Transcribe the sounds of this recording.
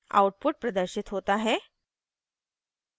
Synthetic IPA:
a̰wʈ̚puʈ̚pɾəd̪əɾɕit̪ɦot̪aɦɛ

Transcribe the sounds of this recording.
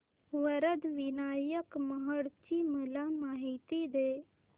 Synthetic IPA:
ʋəɾəd̪ʋɪnaːjəkməɦəɽt͡ʃiməlamaːɦit̪id̪eː

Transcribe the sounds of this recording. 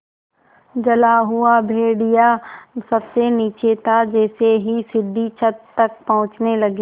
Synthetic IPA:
d͡ʒɐlaɦʊabʱeːɽijasɐbseniːt͡ʃet̪ʰad͡ʒɛːseɦisɪɖʱːit͡ʃʰət̪ːɐk̚pɐɦʊ̃t͡ʃnelɐɡi

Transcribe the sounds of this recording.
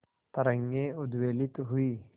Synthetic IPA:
t̪ɐɾə̃ŋɡẽʊd̪weːlɪt̪ɦʊiː

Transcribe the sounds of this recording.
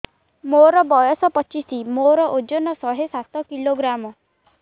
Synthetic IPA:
moɾɔbɔjɔsɔpɔt͡ʃisimoɾɔʔod͡ʒɔnɔsɔɦesat̪ɔkiloɡɾamɔ

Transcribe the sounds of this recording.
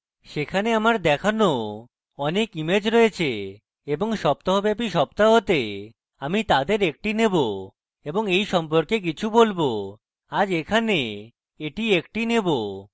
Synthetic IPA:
ʃekʰaneamaɾd̪ɛkʰano | ɔnekimed͡ʑɾoet͡ɕʰe | eboŋʃɔp̚t̪aɦobɛp̬iʃɔp̚t̪aɦot̪e | amit̪ad̪eɾek̚ʈinebo | eboŋejʃɔmp̬oɾkek̬it͡ɕʰubolbo | ad͡ʑekʰane | eʈiek̚ʈinebo

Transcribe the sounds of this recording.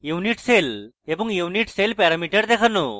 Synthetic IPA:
juniʈsel | ebuŋjuniʈselpɛɾɐmiʈeɽd̪ekʰənːu

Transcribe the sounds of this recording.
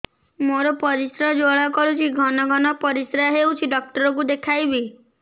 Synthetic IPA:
moɾɔpɔɾisɾɔd͡ʒoɭakɔɾut͡ʃʰiɡʱɔnɔɡʱɔnɔpɔɾisɾaɦewt͡ʃʰiɖɔk̚ʈɔɾɔk̬ud̪ekʰajbi

